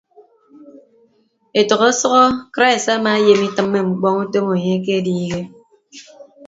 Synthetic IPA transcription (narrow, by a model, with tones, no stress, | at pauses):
e˨tɔ˨ɣo˦sɔ˦ɣɔ˦kɾa˦i˨sa˦maː˨e˦je˨mi˦tɨ˨mːe˦ŋ͡m̩˨k͡pɔ˦ŋu˦to˦mo˨ɲe˦k̬e˦diː˦ɣe˦